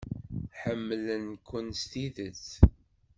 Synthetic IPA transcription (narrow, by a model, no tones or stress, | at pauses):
ħəmːlənkʷːənst̪iðət͡s